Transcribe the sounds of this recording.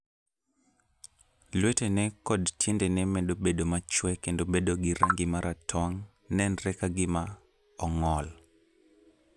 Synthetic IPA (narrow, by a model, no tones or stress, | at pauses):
lwetenɛkɔdtʰjendɛnɛmɛndobedomat͡ʃwɛkendobedoɡɪɾa̰ŋɡɪmaɾʔatʰɔŋ | nɛnɾɛkaɡɪma | ɔŋɔl